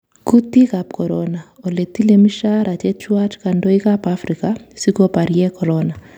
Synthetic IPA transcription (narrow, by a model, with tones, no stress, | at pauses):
ku˦ti˦ka˨p̚kɔ˨ɾɔna˨ | o˨le˨ti˦le˦mi˦ʃa˦ɾʔa˨t͡ʃɛ˦t͡ʃwa˦t͡ʃka˨ndo˦i˦ka˦pa˦fɾikasi˦ko˦pa˨ɾiɛ˦kɔ˨ɾɔna˨